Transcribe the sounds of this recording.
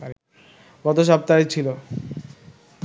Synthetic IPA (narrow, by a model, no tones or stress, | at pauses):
ɡ̥ɔt̪oʃ̬ap̚t̪aet͡ɕʰilo